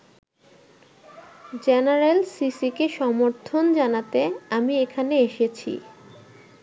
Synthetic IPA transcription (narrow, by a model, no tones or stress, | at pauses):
d͡ʑenaɾelsisikeʃɔmoɾt̪ʰond͡ʑanat̪eamiekʰaneeʃet͡ɕʰḭ